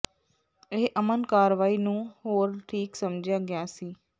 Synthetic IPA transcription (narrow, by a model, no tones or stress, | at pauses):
ɪɦʔɐmənkaːɾʋaːinũːɦoːɾʈʰiːksɐmd͡ʒʱjaɡɪjaːsiː